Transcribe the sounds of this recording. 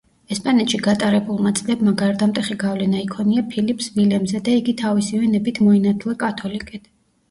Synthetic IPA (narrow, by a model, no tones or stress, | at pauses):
ɛspʼanɛt̪ʃiɡat̪ʼaɾɛbulˠmat̪sʼlɛbmaɡaɾd̪amt̪ʼɛχiɡavlɛnaikʰɔniapʰilipʰsvilɛmzɛd̪aiɡit̪ʰavisivɛnɛbit̪ʰmɔinat̪ʰlˠɛkʼat̪ʰɔlikʼɛt̪ʰ